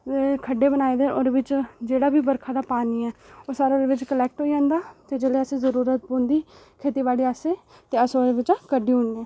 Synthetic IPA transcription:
kʰəɖeːbənaːid̪eːʔo̰ːɾeʋɪt͡ʃd͡ʒeːɽaːbiːbəɾkʰaːd̪aːpaːniːɛːoːsaːɾeɾeʋɪt͡ʃkəlɛːk̚ʈɦoːiãːnd̪aːt̪eːd͡ʒeːleːəsẽːzəɾuːɾət̪̚bõːnd̪iː | kʰeːt̪iːbaːliːaseː | t̪eːəsoːɾeʋɪt͡ʃaːkəɖiːɦõːɳd̪eː

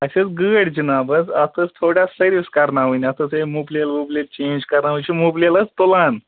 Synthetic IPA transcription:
əɕet͡sɡəɽd͡ʑinabəsət̪ʰət͡st̪ʰoɽjasəɾʋiskaɾnaʋunət̪ət͡semublelmublelt͡ɕẽɲd͡ʑkaɾnaʋut͡ɕimuplelət͡st̪ulan

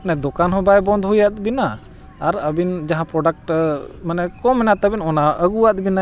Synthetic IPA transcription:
nɛd̪ɔkanɦɔ̃bajbɔ̃nd̪ɦujat̪̚binaː | ɾəbind͡ʒaɦãpɾɔɖək̚ʈmanɛkɔmɛnat̪əbinɔnaʔəɡuwat̪̚bina

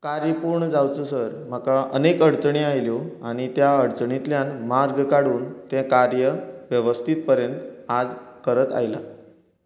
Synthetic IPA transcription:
kaɾjəpuɾɳd͡zawt͡səsəɾm̤əkaʔənekəɽt͡sɳiajljoaɽ̃it̪jaəɽt͡sɳit̪ljanmaɾɡkaɽuːnt̪ɛ̃kaɾjəʋjəʋəst̪ʰit̪̚pəɾjənt̪ad͡zkəɾət̪a̰jla̰

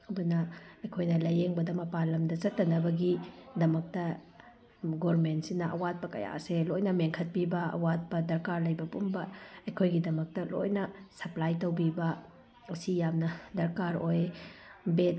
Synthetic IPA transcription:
ɐdunɐɐjkʰojnɐlɐjeŋbɐdɐmɐpalɐmdɐt͡ʃɐtːɐnɐbɐɡidɐmɐk̚tɐ | ɡoɾmentsinɐʔɐ̰wat̚pɐkɐ̰ja̰selojnɐmeŋkʰɐt̚pibɐɐ̰wat̚pɐdɐɾkaɾlɐjbɐpumbɐɐjkʰojɡidɐmɐk̚tɐlo̰jnɐsɐplajtɐwbibɐ | ɐsijamnɐdɐɾkaɾoj | bet̚

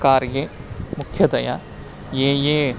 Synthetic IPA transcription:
kaːɾjəmʊkʰjɐd̪ɐja̰ | jeje

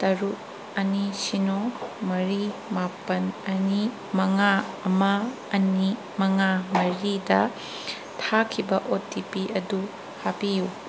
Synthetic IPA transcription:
tɐɾut̚ | ɐnisinomɐɾimapɐnɐni | mɐŋaɐmɐː | ni | mɐŋamɐɾidɐ | tʰakʰibɐʔotipiʔɐdu | hapiju

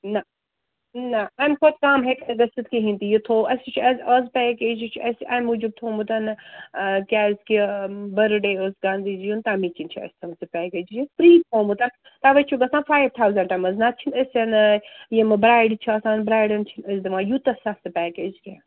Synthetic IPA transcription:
nɐ | nɐɐmkʰot̪̚kaːmɦekɐnɡ̪ɐsɨt̪kiɦĩnt̪ijut̪ʰoːɐsit͡ʃʰiɐzɐzpɛːkeːd͡ʒit͡ʃʰiɐsʔɐmud͡ʒub̚t̪ʰoːmut̪ɐn | kʲaːzkibɐɾɖeːozɡaːnd̪iːd͡ʒjunt̪amit͡ʃint͡ʃʰiɐ̰sʲt̪ʰɐmzɨpɛːkeːd͡ʒt͡ʃifɾiːt̪ʰoːmut̪ɐn | t̪aʋɐt͡ʃʰuɡɐsaːnfaːjʋt̪ʰaːwzɐɳʈamɐznat̪̚t͡ʃʰinɐsʲɐnjemɨbɾaːjɖt͡ʃʰiaːsaːnbɾaːjɖɐnt͡ʃʰinɐsd̪ɐʋãːjut̪ɐsasɨpɛːkeːd͡ʒkʲaː

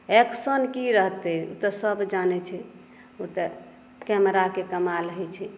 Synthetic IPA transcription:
eksənkiɾəɦt̪ɛṵt̪ɔsəbd͡ʒanɛt͡ʃʰɛ | ut̪ə | kɛmɾakekəmalɦɛt͡ʃʰɛ

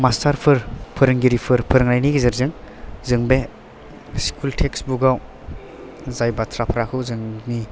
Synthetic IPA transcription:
mastaɾpʰɯɾpʰɯɾɯŋɡiɾipʰɯɾpʰɯɾɯŋɾajniɡizɯɾzɯŋ | zɯŋbe | skʰultʰeksbuɡaw | zajbatʰɾapʰɾakʰɯwzɯŋmi

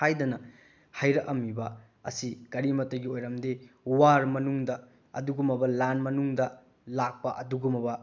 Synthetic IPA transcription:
ajdɐnɐ | hɐjɾɐkɐmːibɐ | ɐ̰sikɐɾimɐtɐɡiojɾɐmdewaɾmɐnuŋdɐ | ɐ̰duɡumɐbɐlanmɐnuŋdɐ | lak̚pɐʔɐduɡumɐbɐ

